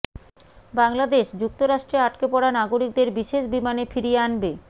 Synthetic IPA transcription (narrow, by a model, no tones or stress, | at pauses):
baŋlad̪eʃd͡ʑuk̚t̪oɾaʃʈɾeaʈkepɔɽanaɡoɾik̚d̪eɾbiʃeʃbimanefiɾieanbe